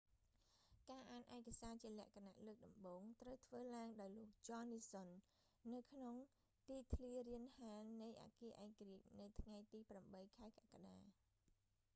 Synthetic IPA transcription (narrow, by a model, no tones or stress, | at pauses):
kaːʔaːnʔaɛkasaːt͡ɕiəlɛ̆əʔkʰana̰ʔləːk̚ɗɑmɓoːŋt̪rəwt̪ʰʋəːlaəŋɗaɔjloək̚t͡ɕɑːniːsonː | ɨwkʰnoŋ | t̪iːt̪ʰliəriənhaːnɨjʔa̰ːkiəʔaɛkariəc̚nɨwt̪ʰŋajt̪iːpramɓəjkʰaɛkaʔkaɗaː